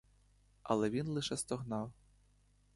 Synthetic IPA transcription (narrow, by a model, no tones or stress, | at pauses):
ɐ̰lˠɛvʲinlˠɨʂɛst̪ɔɣnaw